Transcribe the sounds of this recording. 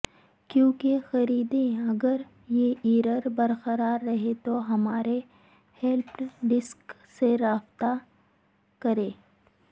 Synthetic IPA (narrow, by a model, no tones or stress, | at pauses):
kjõːkexɐɾiːd̪ẽɐɡəɾ | jeiːɾəɾbɐɾqəɾaːɾːɐɦet̪oɦɐmaːɾe | hɛlpɖɪsk | seɾaːft̪a | kɐɾẽː